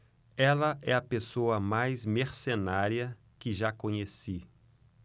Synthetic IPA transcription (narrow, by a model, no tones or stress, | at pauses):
ɛlɐʔɛɐpesoɐmajzmeɾsenaɾjɐ | kɪʒakõɲesi